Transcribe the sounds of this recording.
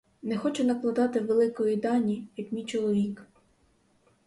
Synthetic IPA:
nɛxɔt͡ʃɛnɐklˠɐd̪ɑt̪ɪwʋelˠɪkɔjijd̪ɑnʲijɐkmʲit͡ʃɔlˠɔʋʲik

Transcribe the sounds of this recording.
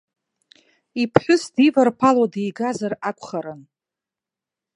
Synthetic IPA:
ipʰħʷʊsdivarpʰalwadejɡazarakʷʰʼχaɾɨn

